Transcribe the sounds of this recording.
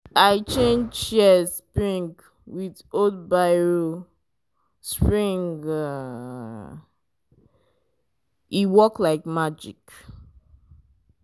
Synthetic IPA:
aɪt͡ʃẽnd͡ʒʃɛspɹĩŋɡ | wiðodbaɪɹo | spɹĩŋɡʌ | iwɔklaɪk̚mad͡ʒḭk

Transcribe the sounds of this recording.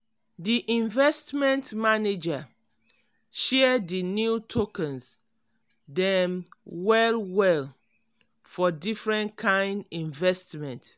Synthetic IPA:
diʔĩɱvɛstmɛ̃ntmaned͡ʒa | ʃɛdinjutʰokɛ̃ns | dɛ̃mwɛlwɛl | fɔdifɹɛ̃nkʰãɪ̃ndĩɱvɛstmɛ̃nt

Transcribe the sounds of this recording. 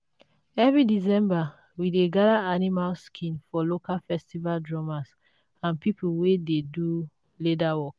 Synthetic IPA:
ɛvɹidisɛ̃mba | wideɡadaanimalskʰĩnfɔlokalfɛstivaldɹɔmas | ãnpipʰulwededu | ledawɔk

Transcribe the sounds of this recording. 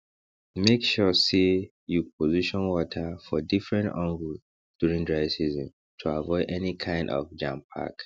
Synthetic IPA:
mekʃɔsi | jupʰoziʃɔ̃nwɔtʰəfɔdifɹɛ̃ntɔ̃ŋɡu | d̥juɹĩŋdɹaɪsizɔ̃m | tʰuavɔɪdɛnikʰãɪ̃ndɔ̰vd͡ʒãmpʰa̰k

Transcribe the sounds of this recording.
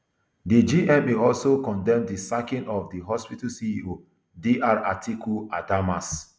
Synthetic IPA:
did͡ʒiʔɛ̃meɔlsokɔ̃ndɛ̃mdisakĩnɔfdiɦɔspitasiio | diʔaɹa̰tʰikʰuadamas

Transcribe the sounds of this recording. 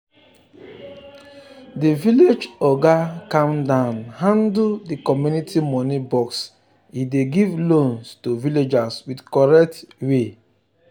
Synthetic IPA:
diviled͡ʒɔɡakãmdãnhãndldikɔmjunitʰimɔnibɔks | ideɡivlõnstoviled͡ʒaswidkɔɹɛk̚twe

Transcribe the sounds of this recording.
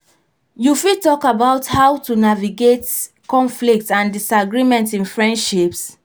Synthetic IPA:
jufitɔkabaʊthawtunaviɡet | kɔ̃nflik̚tãndisaɡɹimɛ̃ntĩnfɹɛ̃ndʃips

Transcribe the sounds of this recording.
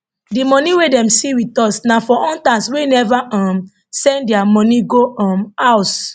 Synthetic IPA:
dimɔ̃niwedɛ̃msiwitɔsnafɔʔɔ̃ntaswenɛvaʔãm | sɛ̃ndɛamɔ̃nĩɡoɔ̃maʊs

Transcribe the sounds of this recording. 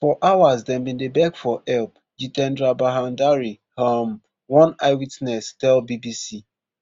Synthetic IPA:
fɔʔawazdɛ̃nbĩndebɛkfɔʔɛlp | d͡ʒitɛ̃ndɹabaɦãndaɹi | ham | wɔ̃naɪwitnɛstɛlbibisi

